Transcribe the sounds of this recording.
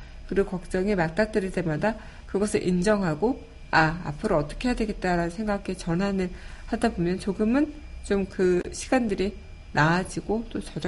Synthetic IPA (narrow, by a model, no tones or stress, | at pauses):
kɯɾɯkʌk̚t͡ɕ͈ʌŋemak̚t͈ak̚t͈ɯɾite̞mada | kɯɡʌsʰɯɭʔind͡ʑʌŋɦaɡo | aa̰pʰɯɾoʌt͈ʌ̥kʰe̞jadwe̞ɡe̞t̚t͈aɾanɯnsʰe̞ŋɡakʰet͡ɕʌnɦanɯɭ | hadabomjʌnt͡ɕoɡɯmɯn | t͡ɕomkɯɕʰi̥ɡandɯɾi | naad͡ʑiɡot͈ot͡ɕʌd͡ʑ